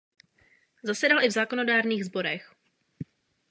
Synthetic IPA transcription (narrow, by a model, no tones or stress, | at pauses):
zasɛdalʔɪvzaːkono̞daːɾniːɣzbo̞ɾɛx